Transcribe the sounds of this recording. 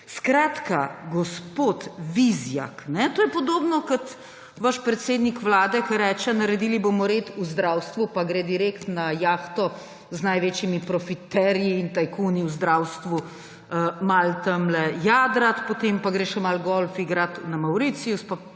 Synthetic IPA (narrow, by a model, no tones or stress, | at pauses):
skɾaːt̪kaɡɔspoːt̪ʋizja̰knɛt̪oːjɛpɔd̪oːbnɔkɐt̪ | ʋaʃpɾɛt̪seːd̪nikʋlaːd̪ɛkɐɾɛːt͡ʃɛnɐɾɛd̪ilibomɔɾeːt̪uzd̪ɾawst̪ʋupaɡɾeːd̪iɾekt̪najaːxt̪ɔ | znajʋeːt͡ʃjimipɾɔfit̪ɛɾjiːnt̪ajkuniuzd̪ɾawst̪ʋu | malt̪ɐmlɛjaːd̪ɾat̪pot̪empaɡɾeːʃɛmalɡɔlfiɡɾat̪namawɾit̪siuspa